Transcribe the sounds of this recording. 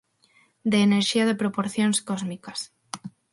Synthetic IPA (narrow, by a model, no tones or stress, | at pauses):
d̪eːneɾʃiaðepɾopoɾθjonskozmikas